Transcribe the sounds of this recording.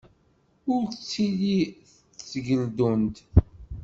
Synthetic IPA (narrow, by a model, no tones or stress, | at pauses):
ʊɾt͡sːiliθ | t͡sːʝəld̪unt̪